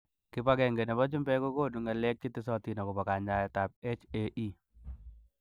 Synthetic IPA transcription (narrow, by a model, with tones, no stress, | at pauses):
kɪ˦pa˦ɡɛ˨ŋɡe˨nɛ˨bɔ˦t͡ʃu˦mbɛ˦ko˦ko˦˨du˨ŋa˨lɛ˦k̚t͡ʃi˦tɪ˦sɔ˦ti˨nɔ˨ko˨pa˨ka˨ɲa˦jɛ˨ta˨p̚e˦t͡ʃe˦ʔi˦